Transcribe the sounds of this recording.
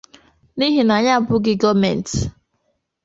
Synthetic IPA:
ni˦ɦi˨na˨ɲa˦a˨bʊ˦ɡɪ˦ɡɔ˦mɛ̰˨n˨t

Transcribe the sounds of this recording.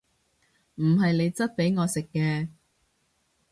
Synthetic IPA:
m̩˨˩ɦɐ˨jle˨˧jt͡sɐ˥t̚pe˨˥jŋɔː˨˧sɪ˨kːɛː˧

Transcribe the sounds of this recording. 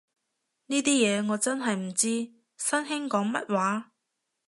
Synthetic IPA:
niː˥t̪iː˥jɛː˨˧ŋɔː˨˧t͡sɐ˥nɦɐ˨jm̩˨˩t͡siː˥ | sɐ˥nɦɪ˥ŋkɔː˨˥ŋmɐ˥t̚waː˨˥

